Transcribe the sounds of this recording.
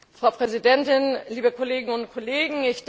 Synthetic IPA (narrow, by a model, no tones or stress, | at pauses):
fʁ̥aʊpʁ̥ɛzidɛntɪnliːbəkʰoleːɡɪŋʊntkʰoleːɡŋ̩ɪçd̥